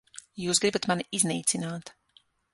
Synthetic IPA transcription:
juːsɡɾibat̪maniʔizniːt̪sinaːt̪

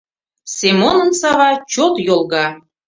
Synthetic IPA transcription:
semonənsɑβɑt͡ɕot̪jolˠɣɑ

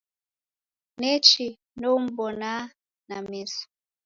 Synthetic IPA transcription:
nɛt͡ʃi | nɔum̩bɔna | namisḁ

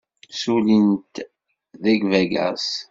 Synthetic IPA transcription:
sulint̪ | ðæɡvæɡæ̰s

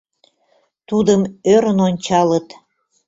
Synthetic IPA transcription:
t̪ud̪əmøɾənonʲt͡ɕɑlət̪

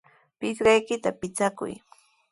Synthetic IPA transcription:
pɪsɢɑjkɪt̪apɪt͡sakʊ̰j

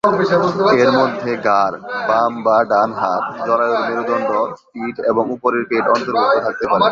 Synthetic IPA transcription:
eɾmod̪ʱːeɡaɾbambaɖanɦaɾd͡ʑɔɾajoɾmeɾud̪ɔɳɖosiʈeboŋupoɾeɾpeʈɔnt̪oɾbot̪ːot̪ʰak̚t̪epaɾe

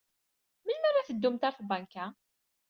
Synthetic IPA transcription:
məlmæɾæθəd̪ːumt̪æɾfbæŋkæ

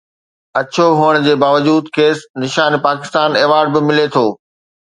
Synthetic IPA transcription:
ɐt͡ɕʰoɦuːəɽ̃̆d͡ʑeːbaːʋəd͡ʑuːd̪keːsnɪʃaːnpaːkɪ̥st̪aːneːʋaːɾɖ̚bɪmɪlet̪ʰoː

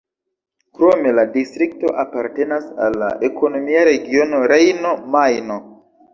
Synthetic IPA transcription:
kɾo̞me̞ladistɾik̚to̞ʔapaɾte̞nasa̰lːa̰ʔekono̞miaɾe̞ɡio̞no̞ɾejnomajno

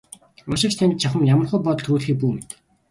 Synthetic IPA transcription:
ʊʃɪ̆kt͡ɕt̪ʰænʲt̪̚t͡ɕʰaχə̆mjamə̆rχŭːjpɔt̪̆t̪ʰɾuːɮxiːp̬uːmet̪

